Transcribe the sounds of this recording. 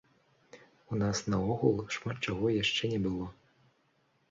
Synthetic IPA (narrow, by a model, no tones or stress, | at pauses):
unasnɐɔɣulˠʂmat̪t͡ʂaɣɔjaʂt͡ʂɛnʲɛbɨlˠɔ